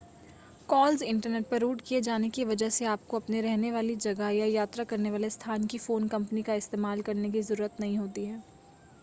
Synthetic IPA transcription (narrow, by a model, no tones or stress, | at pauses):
kɔːlzɪ̃ɳʈəɾneːʈ̚pɐɾuːʈkied͡ʒaːnekiʋɐd͡ʒəɦseaːp̚koɐpneɾɛɦneʋaːlid͡ʒɐɡəjajaːt̪ɾakɐɾneʋaːlest̪ʰaːnkifoːnkɐ̃mpənikaɪst̪eːmaːlkɐɾnekizɐɾuːɾət̪nɐɦĩɦoːt̪iɦɛː